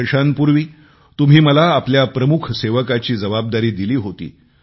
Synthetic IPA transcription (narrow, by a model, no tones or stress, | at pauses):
ɕanpuɾʋiː | t̪um̤iːməlaːpljapɾəmukʰseʋəkat͡ɕiːd͡zəʋab̚d̪aɾiːd̪iliːɦot̪ḭː